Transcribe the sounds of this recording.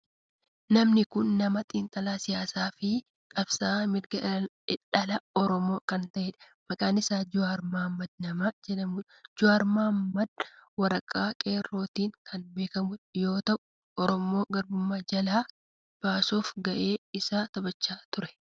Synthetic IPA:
nɐmnɪkʊnːɐmɐt̪ʼiːnt̪ʼɐlaːsɪjaːsaːfɪ | kʼɐbsaːmɪɾɡɐ | ɪᶑɐlɐɔɾɔmo̞ːkɐnt̪ɐʔeːᶑɐ | mɐkʼaːnːɪsaːd͡ʒʊaːɾmaːmːɐd̪nɐmaːd͡ʒɛᶑɐmuᶑ | d͡ʒʊaːɾmaːmːɐd̪̚wɐɾɐkʼːaːkʼe̞ːrːo̞ːt̪iːŋkʰɐnbe̞ːkɐmʊᶑjo̞ːt̪ɐʔʊ | ɔɾɔmo̞ːɡɐɾbʊmːad͡ʒɐlaː | b̥aːsoːfɡɐʔe̞ːɪsaːt̪ɐbɐt͡ʃːaːt̪ʊɾɛ̥

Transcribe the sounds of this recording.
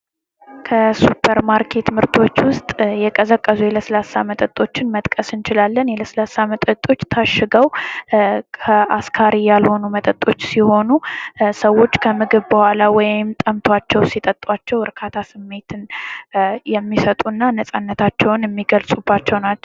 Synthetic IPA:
kʰəsupʰːəɾmaɾkʰe̞t̪mɨɾt̪ʰo̞t͡ʃːwʊst̪ʼjɛkʼəzəkʼːəzujɛləslasːamət̪ʼət̪ʼo̞t͡ʃːɪnmət̪ʼkʼəsɨnt͡ʃɪlalːənjɛləslasːamət̪ʼət̪ʼo̞t͡ʃːt̪ʰaʃːɨɡəw | kʰəa̰skʰaɾijalho̞numət̪ʼət̪ʼːo̞t͡ʃːsiho̞nusəwːo̞t͡ʃːkʰəmɨɡɨβbəhʷalawɔjɪmt̪ʼəmt̪ʰwat͡ʃːɛwsit̪ʼət̪ʼwat͡ʃːɛwɨɾkʰat̪ʰasɨmːe̞t̪ʰɨn | jɛmːisət̪ʼunːanəsʼanːət̪ʰat͡ʃːɛwnjɛmːiɡəlsʼubːat͡ʃːɛwnat͡ʃː

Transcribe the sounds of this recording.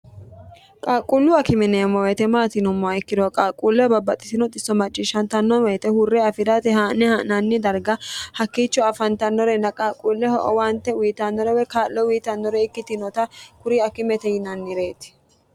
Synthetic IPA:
kʼaːkʼulːʊɐkɪmɛnemɔwɛt̪ɛmaːt̪ɪnʊmːɔɐɪkːɪd̪ɔkʼaːkʼːuːlːɛbɐbːɐt̪ʼɪ̥sɪnɔt̪ʼɪsːɔmɐt͡ʃʼːiːʃɐnt̪ɐnːɔnwɛjt̪ɛhʊrːɛɐfɪd̪ɐt̪ɛhaːnɛhanɐnːɪd̪ɐɾɡɐhɐkːiːt͡ʃːɔɐfɐnt̪ɐnːɔɾɛnːɐkʼaːkʼuːlːɛhɔʔɔ̰want̪ɛwiːt̪ɐnːɔɾɛwɛkaːʔːɔwiːt̪ɐnːɔɾɛɪkːɪt̪ɪnɔt̪ɐkʊɾiɐkːɪmɛt̪ɛjɪnɐnːɪɾe̞ːt̪ɪ̥

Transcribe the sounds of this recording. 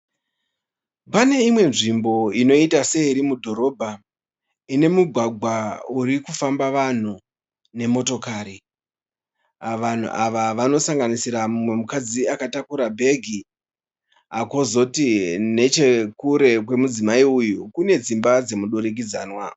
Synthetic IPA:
pane̞imwe̞nʐimbo̞ino̞itase̞iɾimudʱo̞ɾo̞bʱa | ine̞muɡʱwaɡʱwauɾikufambaʋan̤u | ne̞mo̞to̞kaːɾi | aʋan̤ṵʔaʋaʋano̞saŋɡanisiɾamumwe̞mukad͡ziakatakuɾabʱe̞ɡʱi | ako̞zo̞tine̞t͡ʃe̞kuɾe̞k̬we̞mud͡zimaiujukune̞d͡zimbad͡ze̞muɗoɾik̬id͡zaːnwa

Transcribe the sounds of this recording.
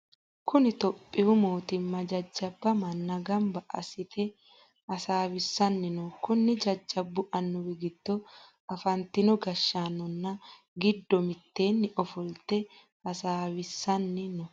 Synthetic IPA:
kʊnɪt̪ɔpʼːɪwʊmo̞ːt̪ɪmːɐd͡ʒɐd͡ʒːɐbːɐmɐnːɐɡɐmbɐʔɐ̰sɪt̪ɛ | ɐsaːwɪsːɐnːɪnɔkʊnːɪd͡ʒɐd͡ʒːɐbːʊʔɐnːɔwɪɡɪd̪̥ːɔ | ɐfɐnt̪ːɪnɔɡɐʃːaːnːɔnːɐ | ɡɪd̪ːɔmɪt̪ːe̞ːnːɪʔɔfɔlt̪ɛ | ɐsaːwɪsːɐnːɪnɔ

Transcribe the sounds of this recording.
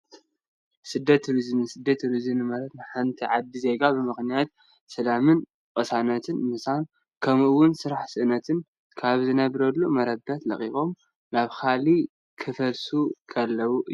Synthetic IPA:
sɨd̪ːɐt̪ɾizɨmsɨd̪ːɐt̪ʰɾizɨmnɨmɐɾɐt̪maħant̪ʰiʕad̪ːize̞ɡabɨmɨxnijat̪̚ | sɐlamɨn | kʼɐsanɐt̪ʰɨnmɨsan | kʰɐmʔɨwːʊnsɨɾaħsɨʔɨnɐt̪ʰɨn | kʰaβzɨnɐβɾɐlːumɐɾɐbɐt̪lɐ̰χʼixo̞m | naβkʰali | kʰɨfɐlsukʰɐlːɐwuʔ

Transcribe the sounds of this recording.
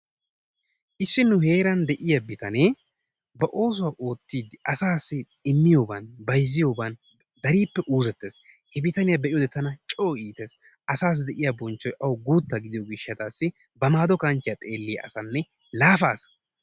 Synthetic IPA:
ʔɪsːɪnːʊhe̞ːɾɐnd̪ɛʔɪjɐbɪt̪ɐneː | bɐʔo̞ːs̬ʊwaːʔo̞ːt̪ːiːd̪ɪɐsaːsːɪ | ɪmːɪjoːbanbɐjzːɪjoːbaːn | d̪ɐɾiːpːɛʔuːzɛt̪ːeːs | hɛbɪt̪ɐnɪjɐbɛʔɪjod̪ɛt̪ːɐnɐt͡ʃʼoːʔiːt̪eːs | ʔɐsaːs̬d̪ɛʔɪjɐbɔnt͡ʃːɔjʔɐwɡuːt̪ːɐɡɪd̪ɪjoɡɪʃːɐt̪aːsːɪ | bɐmaːd̪ɔkɐnt͡ʃɪjɐt̪ʼe̞ːlːɪjɐ̰ʔɐ̰sɐnːɛ | laːfa̰ːsɐ̥

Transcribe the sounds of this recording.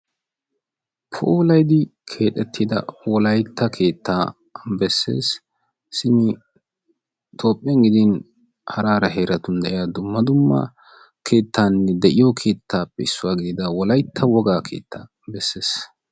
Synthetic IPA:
pʰo̰lɐjd̪ɪkʰe̞ːt̪ʼːɛt̪ːid̪ɐ̰wɔlɐjt̪ʰːɐkʰe̞ːt̪ːaː | bɛsːe̞̰ːs | sɪnɪ | t̪ʰo̞ːpʼːɛŋɡɪd̪ɪn | hɐɾaːɾɐɦeːɾɐt̪ʊnd̪ɛʔɪjaːd̪ʊmːɐd̪ʊmːɐ̰ | kʰe̞ːt̪ːaːnːɛd̪ɛʔɪjɔkʰe̞ːt̪ʰːaːpːɛɪsːʊwaːɡɪd̪ɪd̪ɐwɔlɐjt̪ʰːɐwɔɡaːkʰe̞̰ːt̪ʰːaː | bɛsːe̞ːs

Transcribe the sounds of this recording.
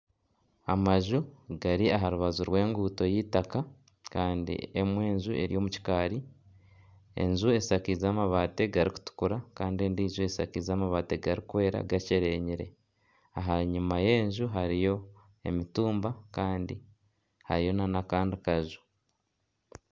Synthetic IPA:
amaʒuɡaɾiaɦaɾuβazuɾwe̞ːŋɡuːto̞jiːtaka | kaːndḭemwe̞ːɲʒuʔe̞̰ɾḭjo̞muci̥kaːɾi | ḛɲzue̞sakizaːmaβaːte̞ɡaɾiku̥tu̥kuɾakaːndie̞ndiːʒue̞sakizaːmaβaːte̞ɡaɾikwe̞ːɾa̰ɡaceɾe̞ɲiɾe̞̰ | a̰ɦaɲumaje̞ːɲʒuɦaɾijo̞ | e̞mituːmbakaːndi | ha̰ɾijo̞nanakaːndikaʒu

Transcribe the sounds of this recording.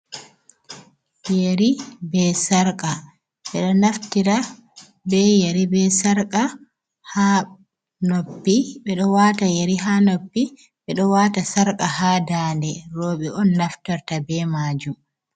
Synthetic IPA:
jeɾibɛsaɾkʼa | ɓɛɗɔnaftiɾa | bɛjeɾibɛsaɾkʼa | ha | nopːiɓɛɗɔwatajeɾiɦanopːi | ɓɛɗɔwaːtasaɾkʼahaːdaːndɛɾoːɓɛɔnːaftaɾtabɛmaːd͡ʒum

